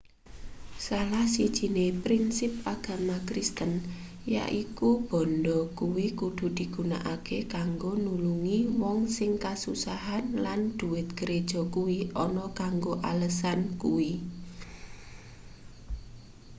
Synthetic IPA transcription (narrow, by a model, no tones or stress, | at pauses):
salahsid̥ʒ̥i̤nepɾinsɪp̚aɡ̥a̤makɾist̪ən | ja̰ʔikub̥ɔ̤nd̪ɔkuwikud̪̥ṳd̪̥i̤ɡ̥ṳna̰ʔakekaŋɡonuluŋiwɔŋsɪŋkasusaɦanland̪̥ṳwɪt̪̚ɡ̥əɾed̥ʒ̥ɔ̤kuwiʔɔnɔkaŋɡoʔaləsankuwi